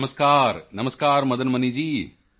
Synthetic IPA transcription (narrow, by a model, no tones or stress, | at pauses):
mɐskaːɾnɐmɐskaːɾmɐd̪ɐnmɐnid͡ʒiː